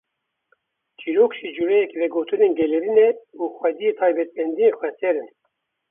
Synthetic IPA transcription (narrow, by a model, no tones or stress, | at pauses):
t͡ʃʰiɾoːkʃid͡ʒuɾɛjɛkvɛɡoːt̪ɨneːnɡɛlɛɾinɛuxʷɛd̪ijet̪ʰɑːjbɛt̪̚mɛnd̪ijexʷɛt̪ʰɛɾɨn